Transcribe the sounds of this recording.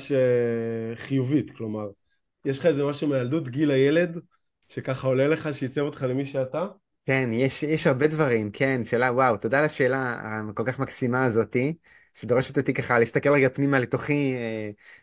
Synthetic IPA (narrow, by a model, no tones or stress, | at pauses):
ʃe | χijuvit̪klo̞maʁ | jɛʃχaezemaʃumejald̪ut̪ɡilajele̞d̪ | ʃekaχaoleleχaʃeit͡sevot̪χalemiʃeat̪a | kenjeʃjɛʃhaʁbe̞dvaʁimkʰenʃe̞ːlawawt̪o̞d̪alaʃe̞ːla̰ko̞lkaχmaksimaːzo̞t̪i | ʃed̪o̞ʁeʃet̪ot̪ikaχalist̪akelʁeɡapnimalet̪o̞χie